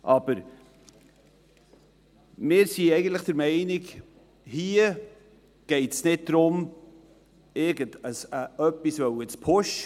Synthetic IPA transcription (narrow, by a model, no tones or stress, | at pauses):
ʔɑb̥əɾ | mɪːɾsiɛɪɡən̩tləχd̥əɾmɛɪnɪk | hiːə | ɡ̥ɛɪtsnɪt̚d̥ɾʊm | ɪɾɡəndəsəœpːisvœwɪt͡spʰʊʃ